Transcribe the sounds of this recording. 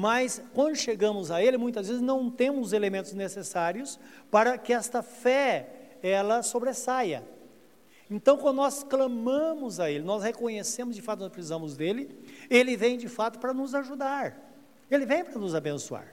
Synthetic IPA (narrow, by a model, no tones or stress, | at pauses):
mɐskwɐ̃nd̪ʊʃeɡɐ̃mʊzɐelɪmũj̃t̪ɐzvezɪznɐ̃w̃t̪ẽmʊzelemẽnt̪ʊznesesaɾiʊspaɾɐkɪɛst̪ɐfɛ | ɛlɐsobɾesajɐ̰ | ẽnt̪ɐ̃w̃kwɐ̃nd̪ʊnɔsklɐ̃mɐ̃mʊzɐelɪnɔshekõɲesẽmʊzd͡ʒɪfat̪ʊnɔspɾɪsizɐ̃mʊzd̪elɪelɪvẽj̃d͡ʒɪfat̪ʊ̥pɾɐnʊzaʒud̪aɾ | elɪvẽj̃pɾɐnʊzabẽsua̰ɾ